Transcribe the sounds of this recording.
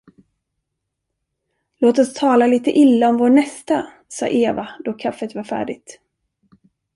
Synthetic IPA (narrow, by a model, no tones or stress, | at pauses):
loːt̪ɔst̪ʰɑːlaliːt̪əʔɪlːaɔmvoːɳɛst̪a | sɑ̰ːʔeːvad̪ɔkʰafːət̪vaɾfæ̰ːɖɪɡ̚t̪